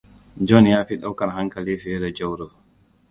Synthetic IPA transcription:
d͡ʒɔnjaːfiɗawkanhaŋkalifiɛɾɛd͡ʒɔwɾɔ

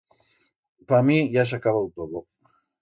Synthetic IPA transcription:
pamiʝas̬akaβawt̪oðo

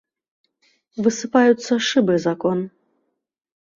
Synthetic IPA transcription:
vɨsɨpajut̪sːɐʂɨbɨzakɔn

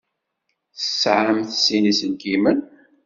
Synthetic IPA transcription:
θəsʕəmθsinisənɡimən

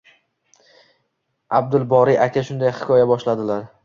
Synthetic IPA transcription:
ab̚d̪ʊlbɒɾiʔakʰʲaʃʊnd̪ajhɪ̥kʰʲɒjabɒʃlad̪ɪlaɾ

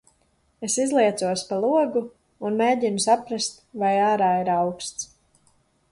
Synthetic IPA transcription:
esizlˠiɛt̪suɔspalˠuɔɡuː | nmeːɟinusapɾast̪vajaːɾaːiɾawkst̪s

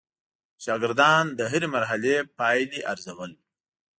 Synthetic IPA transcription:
ʃɑɡɪɾd̪ɑnd̪əɦiɾemaɾɦalepɑjliʔaɾzawəl

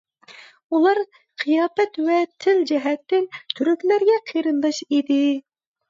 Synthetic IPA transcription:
ulˠɑɾ | qʰɨjɑːpɛt̪vɛt̪ʰɪld͡ʒɪɦɛt̪ːɪnt̪ʰyɾykʲlæɾɡʲɛqʰeɾɨnd̪ɑʃid̪ɪ

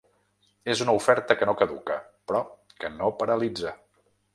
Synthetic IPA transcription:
ezunəufɛɾt̪əkənokəðukə | pɾɔ | kənopəɾəlid͡zə

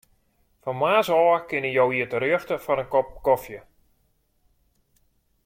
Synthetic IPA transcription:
fɔnmaːsɔːkɪnɪjowiətəɾøəxtəfɔnənkɔp̚kɔfjə

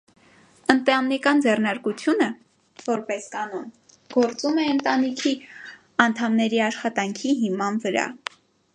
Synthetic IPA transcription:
ənt̪ɑmnikɑnd͡zɛrnɑɾkut͡sʰjunə | vɔɾpɛskɑnɔn | ɡ̥ɔɾt͡sumɛənt̪ɑnikʰi | ɑnt̪ʰɑmnɛɾiɑʃχɑt̪ɑŋkʰiɦimɑnvəɾɑ̰

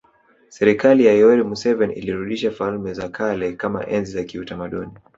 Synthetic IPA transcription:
sɛɾikalijajɔɛlimusɛvɛnḭliɾuɗiʃafalmɛzakʰalɛkama̰ʔɛnzizakiutamaɗuni

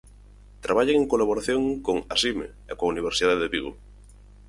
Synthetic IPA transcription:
t̪ɾaβaʎeŋeŋkolaβoɾaθjoŋkoŋasimḛ | ekoauniβ̞eɾsiðaðeβiɣo

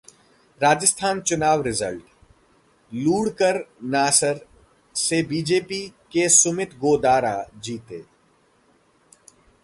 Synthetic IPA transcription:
ɾaːd͡ʒɪst̪ʰaːnt͡ʃʊnaːʋɾɪzəlʈ | luːɽkəɾnaːsəɾ | sebiːd͡ʒeːpikesʊmɪt̪ʰɡoːd̪aːɾad͡ʒiːt̪eː

